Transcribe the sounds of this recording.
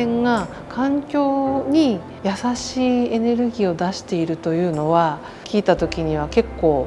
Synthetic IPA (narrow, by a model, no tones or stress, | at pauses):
ẽŋɡa | kʰãŋkʲo̞ːɲ̟i | jasaɕiːe̞ne̞ɾɯ̟ɡʲiːo̞d̪aɕi̥t̪e̞iɾɯ̟t̪o̞jɯ̟ːno̞βa | kʲiːt̪at̪o̞kʲiɲ̟iβ̞ake̞kːo̞ː